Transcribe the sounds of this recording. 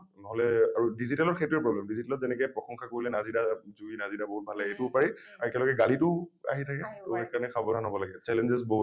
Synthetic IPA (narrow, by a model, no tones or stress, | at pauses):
nɔɦɔlɛaɹudizitɛlɔtxejtʊɛpɹɔblɛmdizitɛlɔt̚zɛnɛkɛpɹɔxɔŋkʰakoɹilɛnazidazuinazidaboɦut̚bʱalɛetʊʊpaɹiaɹɛɛlɔkɛɡalitʊa̰ɦitʰakɛɛkanɛkʰabɔtanobɔlaɡɛt͡ʃɛlɛnzɛsboɦut